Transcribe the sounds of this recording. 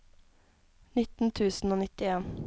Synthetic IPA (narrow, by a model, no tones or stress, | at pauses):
nɪt̪n̩t̪ʰʉːsn̩oːnɪt̪ɪeːn